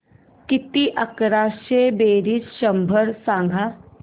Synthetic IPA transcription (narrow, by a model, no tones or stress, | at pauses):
kɪt̪iʔɐkɾaːʃebeːɾisʃɐmbʱəɾsãːŋɡʱa